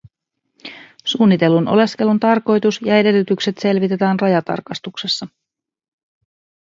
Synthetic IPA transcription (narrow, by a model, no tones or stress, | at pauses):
suːnːit̪e̞lunʔo̞̰le̞ske̞lunt̪ɑrko̞jt̪usjɑe̞de̞lːyt̪ykse̞t̪se̞lʋit̪e̞t̪æːnrɑjɑt̪ɑ̰rkɑst̪ukse̞sːɑ